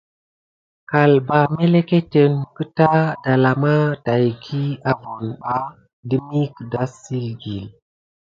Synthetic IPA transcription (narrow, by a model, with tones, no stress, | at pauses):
ka˨lba˨me˦le˦ke˦te˨nkə˦ta˦da˨la˨ma˦ta˨jɡʰi˦a˦vo˨nɓa˦ | di˦mi˦kda˦si˦lɡi˨l